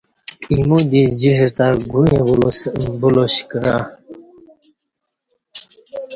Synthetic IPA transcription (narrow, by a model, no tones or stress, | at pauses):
imud̪id͡ʑist̪aɡujebulosbuloɕkəɾa